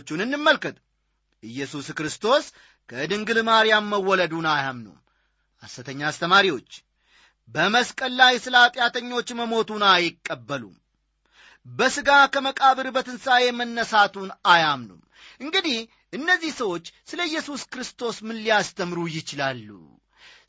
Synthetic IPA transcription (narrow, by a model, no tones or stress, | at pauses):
t͡ʃːunɨnːɨmːəlkɨt̪ʼ | ʔɨjːɛsuskɾɨst̪ʰo̞s | kʰəd̪ɨŋɡɨlmaɾijamːəwːɔləd̪unajamnṵm | ʔasːət̪ʰəɲːaːst̪ʰəmaɾiwo̞t͡ʃː | bəməskʼəlːajsɨlat̪ʼjat̪ʰəɲːo̞t͡ʃːməmo̞t̪unajɪkʼːəbːəlṵm | bəsɨɡakʰəməkʼaβɨɾɨbət̪ʰɨnsajɛmənːəsat̪ʰunajamnṵm | ʔɨŋɡɨd̪ih | ʔɨnːəzːihsəwo̞t͡ʃːsɨləjːɛsuskɨɾɨst̪ʰo̞smɨnlijast̪ʰəmɾujɪt͡ʃɪlalːṵ